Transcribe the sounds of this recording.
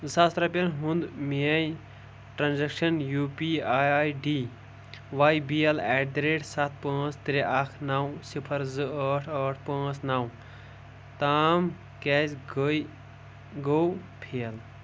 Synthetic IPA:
sast̪ɾɐpɐnɦũnd̪mej | ʈɾaːnzɛkʃɐnjuːpiajɖi | ʋajbijelɛːɖ̚d̪ɾeːɖsat̪̚ʰpãːt͡st̪ɾiʔakʰnawsipʰɐɾzɨəʈʰəʈʰpãːt͡snaw | t̪aːm | kɛzɡə | ɡow | pʰiɐl

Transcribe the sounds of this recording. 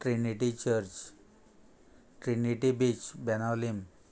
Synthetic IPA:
ʈɾiniʈit͡ɕəɾt͡ɕ | ʈɾiniʈibit͡ɕbɛnalim

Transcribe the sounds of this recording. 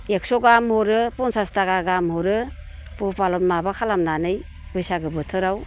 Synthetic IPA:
ek̚sɔɡamhɔɾɯpɔnsastaɡaɡamɦɔɾɯ | pupalɔtmabakʰalamnanɯj | bɯjsaɡɯbɯtʰɯɾaw

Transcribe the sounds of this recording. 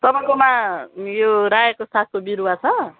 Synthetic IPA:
t̪ʌpaj̃komajoɾajekosat̪̚kobiɾuwat͡sʰʌ

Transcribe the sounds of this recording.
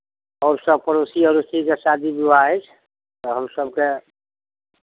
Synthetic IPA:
ɔːɾsəb̚pəɾosiəɾust̪ikesad̪ʱibubaet͡ʃʰ | t̪ɔɦəmsəbke

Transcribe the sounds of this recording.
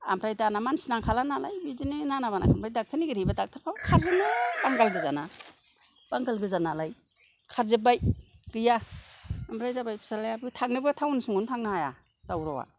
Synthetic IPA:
a̰mpʰɾajtanamansinaŋkʰalanala̰jbidininanabana̰kʰampɾajdak̚tʰɯniɡɯɾijbadak̚tʰɯɾpʰawkʰaɾzɯnɯbaŋɡalɡɯzana | b̥aŋɡalɡɯzanalaj | kʰaɾzebajɡ̥ɯja | ampʰɾajzabajpʰi̥salajabɯtʰaŋnɯbɯtʰawnisɯŋuntʰaŋnaaja | d̥awɾawa̰

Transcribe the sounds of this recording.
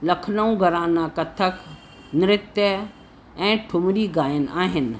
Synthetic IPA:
lɐkʰnəũɡʱɐɾãːnaːkɐt̪ʰək | nɪɾɪt̪jə | ɛ̃ːʈʰʊmɾiɡaːjənaːɦɪn̆

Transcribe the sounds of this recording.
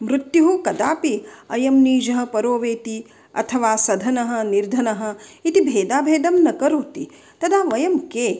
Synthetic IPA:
mɾut̪juɦukɐd̪aːpiɐjɐmniːd͡ʒɐɦɐ̆pɐɾoːʋeːt̪i | ɐ̰t̪ʰɐʋaːsɐd̪ʱɐnɐɦɐ̆niɾd̪ʱɐnɐɦɐ̆it̪ibʱeːd̪aːbʱeːd̪ɐmnɐkɐɾoːt̪i | t̪ɐd̪aːʋɐjɐmkeː

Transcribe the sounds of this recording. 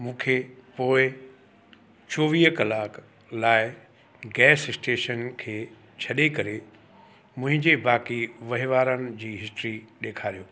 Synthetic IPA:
mũːkʰepoːɪ | t͡ɕoːʋiːɦkɐlaːk | laːɪ | ɡɛːsɪsʈeːʃənkʰeː | t͡ɕʰɐɗekɐɾe | mʊ̃ɦɪ̃ɲd͡ʑebaːkiʋɐɦiʋaːɾənɪ̆d͡ʑiːɦɪsʈɾiɗeːkʰaːɾijoː

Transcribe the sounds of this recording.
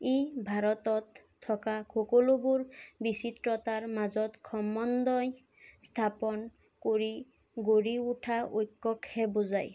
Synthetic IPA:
ebʱaɹɔt̪ɔt̪ʰː | ɔkakʰɔkɔlobuɹbisit̪ɹɔt̪aɹmazɔt̪kʰɔmɔnd̪ɔj | st̪ʰapɔn | koɹi | ɡoɹiuʈʰaʔojkːɔkʰːɛbuzaj

